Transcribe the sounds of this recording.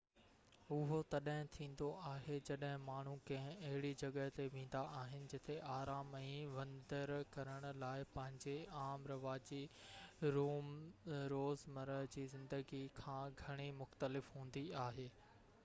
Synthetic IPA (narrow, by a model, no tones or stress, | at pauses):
ʊɦot̪ɐɗɦɪ̃t̪ʰĩːn̆d̪oʔaːɦed͡ʑɐɗɦɪ̃maːɳ̤ũkɐ̃ɦɪ̃ɐɦɪɽid͡ʑɐɠəɦt̪eʋẽːn̆d̪aʔaːɦɪnɪ̆d͡ʑɪt̪ʰeʔaːɾaːmɛ̃ːʋɐ̃nd̪əɾkɐɾəɽ̃ʊ̆laːɪpɐ̃ɦɪ̃ɲd͡ʑeaːmɾɐʋaːd͡ʑi | ɾuːmɾoːzmɐɾəɦd͡ʑiːzɪ̃nd̪əɡikʰãːɡʱɐɽ̃imʊxt̪əlɪfɦũːn̆d̪iaːɦeː